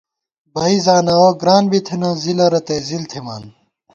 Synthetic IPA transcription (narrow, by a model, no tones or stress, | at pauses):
bɐizaːnɐoɡɾaːnbit̪ʰinɐ̃ːzilɐɾɐt̪eːzilt̪ʰimaːn